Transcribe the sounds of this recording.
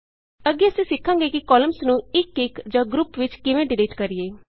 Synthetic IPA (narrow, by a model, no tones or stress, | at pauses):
əɡeːəsĩːsɪkʰːãːŋɡeːkikɔːləmsnũːɪkːɪkd͡ʒãːɡɾʊpʋɪt͡ʃkɪʋẽːɖɪleːʈkəɾɪjeː